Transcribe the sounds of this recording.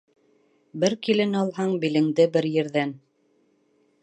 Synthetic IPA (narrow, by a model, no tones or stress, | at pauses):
bɘɾkilɘ̆nɑlˠɦɑɴbilɘ̆ŋd̪ɘbɘɾjɘ̆ɾðæn